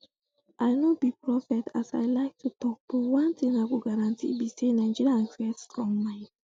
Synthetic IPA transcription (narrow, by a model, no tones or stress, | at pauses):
ʔaɪnobipɹɔfɛtasaɪlaɪk̚tʰutɔk̚powãntʰĩŋaɡoɡaɾãntʰḭbisenaɪd͡ʒiɹiãnsɛtstɹɔ̃ŋmãɪ̃n